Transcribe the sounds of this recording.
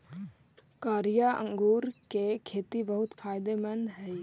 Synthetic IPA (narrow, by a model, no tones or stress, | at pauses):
kaːɾijaə̰̃ŋɡuːɾkekʰeːt̪ibəɦʊt̪fʰaːjd̪emɐ̃nd̪ʱɦɛj